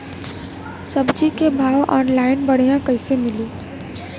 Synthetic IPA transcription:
sɐbd͡ʒikebʱaːʋʔɔːnlaːɪnbɐɽ̤ijãkɐɪsemɪliː

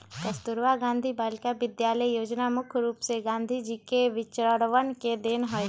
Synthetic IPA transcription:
kəst̪ʊɾʋaɡãːnd̪ʱibaːlkaʋɪd̪jaːləjjoːd͡ʒnamʊkʰɾuːpseɡãːnd̪ʱid͡ʒiːkeʋɪt͡ʃɾəɽʋənked̪eːnɦoe

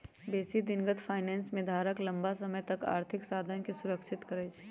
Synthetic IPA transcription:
beːsid̪ɪnɡət̪fʰaːɪnɛːnsmẽd̪ʱaːɾəklɐ̃mbasɐməjt̪ɐka̰ːɾt̪ʰɪksaːd̪ʱənkisʊɾəkʃʰɪt̪kəɾed͡ʒ

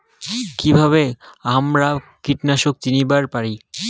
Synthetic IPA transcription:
kibʱaβeamɾakiʈnaʃok̚t͡ɕinibaɾpaɾi

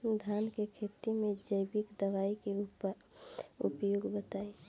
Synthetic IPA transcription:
d̪ʱankekʰet̪imẽd͡ʒəjbikd̪əʋaikeup | ṵpjoːɡbət̪aːi

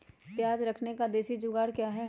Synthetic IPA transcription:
pjaːd͡ʒɾɐkʰnekad̪eːʃid͡ʒʊɡaːɽkjaːɦɛ

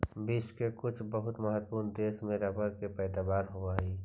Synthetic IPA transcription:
biːt͡ʃkekʊt͡ʃʰbəɦʊt̪mɐɦət̪puːɾnd̪eːsmẽɾɐbəɾkepɛːd̪aːbaːɾɦoʋaːiː

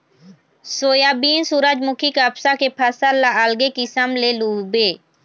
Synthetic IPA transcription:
soːjaːbiːnsuːɾəd͡ʒmʊkʰiːkaːpsaːkeːpʰəsəlaəlɡeːkɪsəmleːluːbeː

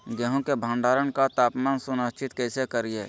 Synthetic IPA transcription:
ɡəɦõkebʱãːɳɖaːɾənkat̪aːpmaːnsʊnəst͡ʃɪt̪kɛːsekəɾieː

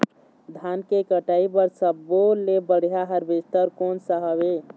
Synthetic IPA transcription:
d̪ʱaːnkekəʈaːibəɾsəbːolebəɽ̤jaɦəɾbest̪əɾkoːnsəɦəwe

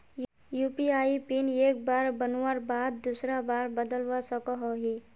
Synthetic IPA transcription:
juːpiaːipineːk̚baːɾbənaɾbaːd̪̚d̪uːsɾabaːɾbəd̪əlʋasəkɔɦoɦiː

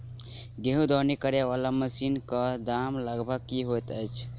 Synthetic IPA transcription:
ɡeɦũd̪ɔnikəɾeʋalaməsinkəd̪amləɡbʱəɡkiɦot̪əjt͡ʃʰ

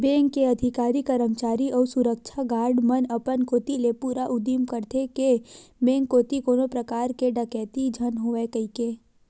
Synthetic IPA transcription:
bẽːŋkːeɐd̪ʱɪkaːɾikəɾəmt͡ʃaːɾiʔɔːɾsʊɾək̚t͡ʃʰaɡaːɾɖmənɐpənkoːt̪ilepuːɾaʔʊd̪imkəɾt̪ʰekemẽːŋkoːt̪ikoːnopɾəkaːɾkeɖəkɛːt̪id͡ʒʱənɦoːʋekəikeː

